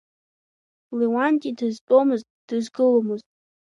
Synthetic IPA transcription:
lewantʼidɨzpʼomɨztʼd̥ɨzɡɨlomɨztʼ

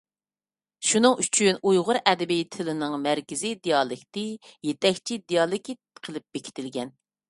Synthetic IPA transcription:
ʃunɨŋyt͡ʃʰynujʁʊɾʔɛd̪ɪbijt̪ʰɪlɪnɨŋmæɾkʲɪzid̪ijɑlˠɨkʲt̪ɪjet̪ɛkʲt͡ʃʰid̪ijɑlˠɪkʲitqʰəlˠɨp̚b̥ekʲʰɪ̥t̪ʰɪlɡʲɛn

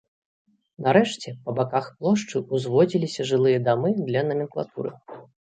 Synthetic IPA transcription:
nɐɾɛʂt͡sʲɛpɐbakaxplˠɔʂt͡ʂɨuzvɔd͡zʲilʲisʲɐʐɨlˠɨjɐd̪amɨd̪lʲɐnɐmʲɛnklˠa̰t̪ṵɾɨ̰

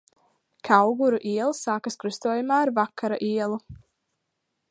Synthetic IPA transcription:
kʰawɡuɾuʔiɛlˠsaːkaskɾust̪uɔjumaːaɾvakʰːaɾaʔiɛlˠu

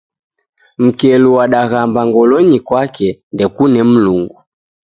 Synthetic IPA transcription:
m̩kɛluwaɗaɣambaŋɡɔlɔɲikwakɛndɛkunɛm̩luŋɡu

